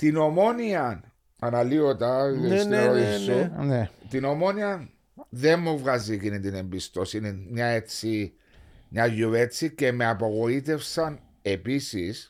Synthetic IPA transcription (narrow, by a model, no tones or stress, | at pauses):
t̪ino̞mo̞niɐn | ɐnɐliot̪ɐest̪oist̪onet̪ino̞mo̞niɐn | ðe̞mːovɣɐzikinint̪ine̞mbist̪o̞sinimɲae̞t͡si | ɲaʝue̞t͡sice̞meɐpo̞ɣo̞it̪e̞fsɐn | e̞pisis